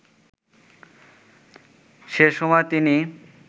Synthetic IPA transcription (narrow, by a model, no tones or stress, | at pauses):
ʃeʃɔmɔet̪ini